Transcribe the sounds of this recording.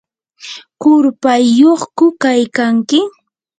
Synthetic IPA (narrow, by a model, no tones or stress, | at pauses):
kʊɾpajoχkʊkajkaŋkɪ